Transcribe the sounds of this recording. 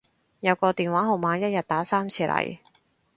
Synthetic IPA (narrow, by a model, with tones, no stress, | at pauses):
jɐ˨˧wkɔː˧t̪iː˨˩nwaː˨˥ɦo˨˩wmaː˨˧jɐ˥t̚jɐ˨t̚t̪aː˨˥saː˥mt͡sʰiː˧˥lʔɐ̰˨˩j